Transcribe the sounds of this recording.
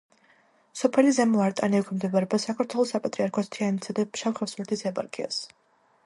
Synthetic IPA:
sɔpʰɛlizɛmɔaɾt̪ʼaniɛkʰimd̪ɛbaɾɛbasakʰaɾt̪ʰwɛlˠɔsapʼat̪ʼɾiaɾkʰɔst̪ʰianit̪sʰad̪aʃawχɛfsmɛt̪ʰisɛba̰ɾkʼḭa̰s

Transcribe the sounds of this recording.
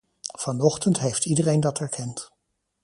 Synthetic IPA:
v̥ɑnɔχtəntɦejftidərejndɑtɛɹkʰɛnt

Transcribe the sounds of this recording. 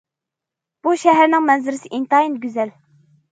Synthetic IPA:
b̥uʃɛɦæɾnɪŋmɛnzɪɾɪsɪʔint̪ɑinɡʲyzɛl

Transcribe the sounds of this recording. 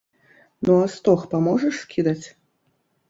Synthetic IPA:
nuast̪ɔxpamɔʐɐʂskʲid̪ɐt͡sʲ

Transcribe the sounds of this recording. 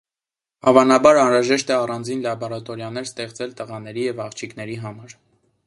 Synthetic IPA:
ɑvɑnɑbɑɾɑnɾɑʒɛʃt̪ɛɑrɑnd͡zinlɑbɔɾɑt̪ɔɾjɑnɛɾst̪ɛχt͡sɛlt̪əʁɑn̪ɛɾijɛvɑχt͡ʃʰiknɛɾiɦɑmɑɾ

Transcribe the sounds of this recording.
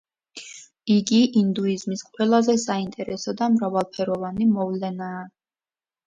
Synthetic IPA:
iɡiʔind̪uizmisqʼwɛlˠazɛsaint̪ʼɛɾɛsɔd̪amɾavalˠpʰɛɾɔvanimɔvlɛnaː

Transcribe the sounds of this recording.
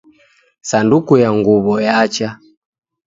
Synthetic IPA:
sandukujaŋɡuβɔjat͡ʃa

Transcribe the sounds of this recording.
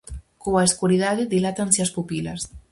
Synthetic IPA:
koaeskuɾiðaðeðilat̪ansiaspupilas

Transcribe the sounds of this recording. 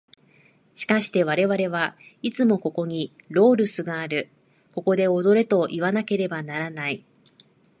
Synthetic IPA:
ɕi̥kaɕi̥t̪e̞β̞aɾe̞βaɾe̞β̞ait͡sɨmo̞ko̞ko̞ɲ̟iɾo̞ːɾɯ̟sɨɡaːɾɯ̟ | ko̞ko̞d̪e̞o̞d̪o̞ɾe̞t̪o̞ʔiβ̞anake̞ɾe̞banaɾanai

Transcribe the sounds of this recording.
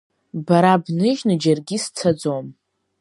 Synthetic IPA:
baɾabnɨʒnɨd͡ʒarɡʲist͡sʰad͡zom

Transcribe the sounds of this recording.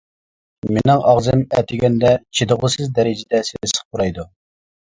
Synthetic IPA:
menɪŋʔɑʁzɨmɛt̪ʰɪɡʲɛnd̪ɛt͡ʃʰid̪əʁʊsɨzd̪ɛɾɪd͡ʒɪd̪ɛsɪnɪsə̥χ̚buɾɑjd̪u

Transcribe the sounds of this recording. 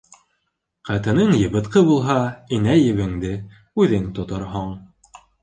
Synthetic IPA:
qæt̪ɤ̆nɤɴjɤ̆βɤ̆t̪qɤbulˠɦɑinæjɘ̆βɘ̆ŋd̪ɘ | ʉðɘnt̪ŏt̪oɾɦɑɴ

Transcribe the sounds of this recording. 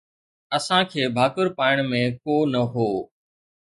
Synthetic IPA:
əsãːkʰeːbʱaːkəɾpaːɪɽ̃mẽːkoːnəɦoː

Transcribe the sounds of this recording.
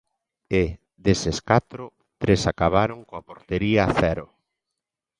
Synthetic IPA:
ɪ | ðeseskat̪ɾʊ | t̪ɾesakaβaɾoŋkoapoɾt̪eɾiɐθɛɾʊ

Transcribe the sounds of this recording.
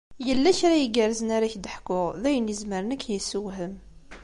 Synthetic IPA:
jəlːæçɾajəɡəɾzənaɾaçd̪əħkːʊʁðæjənjəzməɾənəkːjəsːəwɦəm

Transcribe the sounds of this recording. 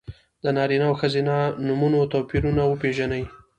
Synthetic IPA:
d̪ənɑɾinawxəzinanumunot̪opiɾunawəpeʒanəj

